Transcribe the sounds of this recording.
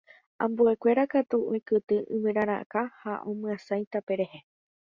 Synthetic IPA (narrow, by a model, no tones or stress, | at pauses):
ãmbue̞kʷe̞ɾakat̪uʔõĩkɨt̪ɨʔɨ̃mɨ̃ɾãɾ̃ã̰kahaʔõmɨ̃ãsajt̪ape̞ɾe̞he̞